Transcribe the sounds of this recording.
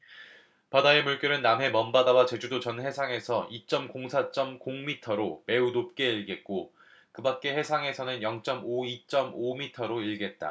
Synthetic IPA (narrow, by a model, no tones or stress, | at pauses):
padaemuɭk͈jʌɾɯnːamɦe̞mʌmbadawat͡ɕe̞d͡ʑudot͡ɕʌnhe̞sʰaŋe̞sʰʌʔit͡ɕ͈ʌmkoŋsʰat͡ɕ͈ʌmkoŋmitʰʌɾome̞unop̚k͈e̞iɭɡe̞t̚k͈o | kɯbak̚k͈e̞he̞sʰaŋe̞sʰʌnɯnjʌŋt͡ɕ͈ʌmoit͡ɕ͈ʌmomitʰʌɾoiɭɡe̞t̚t͈a̰